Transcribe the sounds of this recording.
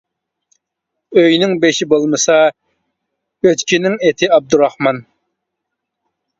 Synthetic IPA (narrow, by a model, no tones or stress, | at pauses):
øjnɪŋbeʃibolˠmɨsɑ | øt̪kʲinɪŋet̪ʰɪɑb̚d̪uɾɑhmɑn